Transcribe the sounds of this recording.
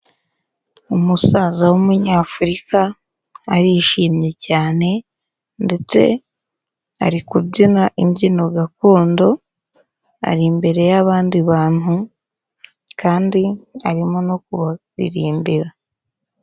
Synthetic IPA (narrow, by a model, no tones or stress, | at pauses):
umusazawumuɲaːfuɾikaː | ɾiʃiːmɲe̞caːne̞ | nde̞t͡se̞̰ | a̰ɾikubɟinaʔimɟino̞ɡako̞ːndo̞ | a̰ɾimbe̞ɾe̞jaβaːndiβaːn̥hu | kʰaːndiaɾimonokuβaɾḭɾiːmbiɾa